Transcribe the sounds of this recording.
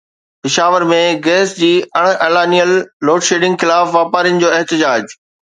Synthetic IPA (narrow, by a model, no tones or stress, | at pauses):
pɪʃaːʋəɾmẽɡɛːsd͡ʑiːɐɽ̃eːlaːnijəlːoːʈʃeːɖɪ̃ŋɡxɪlaːfʋaːpaːɾijnɪ̆d͡ʑoːeɦt̪ɪd͡ʑaːd͡ʑ